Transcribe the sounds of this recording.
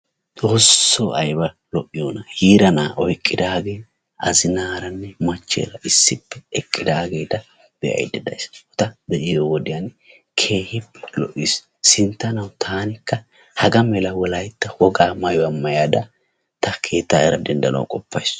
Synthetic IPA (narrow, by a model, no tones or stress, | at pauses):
t͡sʼoːsːoɐjbɐ | lɔʔɪjoːnɐhiːɾɐnaːʔɔjkʼːɪd̪aːɡe̞ː | ɐzɪnaːɾɐnːɛmɐt͡ʃːḛːɾɐɪsːɪpːɛɛkʼːɪd̪aːɡe̞ːt̪ɐ | b̥ɛʔɐ̰jd̪ɛd̪ɐ̰jsɔt̪ɐd̪ɛʔɪjowɔd̪ɪjan | kʰe̞ːhɪpːɛ̥lɔ̰ʔːis | sɪnt̪ːɐnɐwt̪ʰaːnɪkːɐ | hɐɡɐmɛlɐwɔlɐjt̪ːɐwɔɡaːmɐjɔɐmːɐjaːd̪ɐ | t̪ɐkʰe̞ːt̪ːaːɛɾɐd̪ɛnd̪ɐnɐ̰ʊkʼɔpːɐjs